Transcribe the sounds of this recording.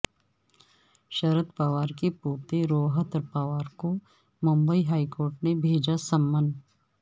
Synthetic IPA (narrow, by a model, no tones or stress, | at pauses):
ʃəɾət̪paʋaːɾkepoːt̪eɾoːɦət̪ɾpaʋaːɾko | mʊ̃mbəiɦaːikoːɾʈnebʱeːd͡ʒasəmːən